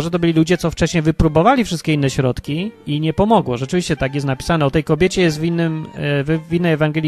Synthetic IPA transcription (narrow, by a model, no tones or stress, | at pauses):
ʐɛt̪̬ɔbɘlʲilud͡ʑɛt̪sɔft͡ʂɛɕɲɛjvɘpɾubɔvalʲifʂɘst̪̚kʲeinːɛɕɾɔt̪kʲiiɲɛpɔmɔɡwɔʐɛt͡ʂɘvʲiɕt͡ɕɛt̪aɡjɛst̪napʲi̥sanɛɔt̪ɛjkɔbʲjɛt͡ɕɛjɛst̪vʲinːɘmvvinːɛjɛvaŋɡɛlʲ